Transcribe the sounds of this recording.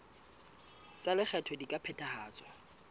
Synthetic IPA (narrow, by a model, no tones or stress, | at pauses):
t͡sʼalɪk͡xʰɛtʰɔdikʼapʰɛtʼahaːt͡sʼwa